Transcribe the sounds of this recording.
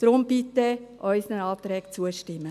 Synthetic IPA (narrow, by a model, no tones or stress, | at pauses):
d̥ɾʊmb̥it̪əʔœʏsənənɑːt̪ɾɛːkt͡suəʃtɪmːə